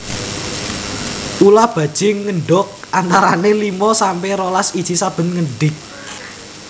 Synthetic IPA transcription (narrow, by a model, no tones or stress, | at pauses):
ulahb̥ä̤d̥ʒ̥ɪŋːəɳɖɔk̚ʔant̪aɾanelimɔsampɛɾolasid̥ʒ̥i̤sab̥ə̤nŋəɳɖɪk̚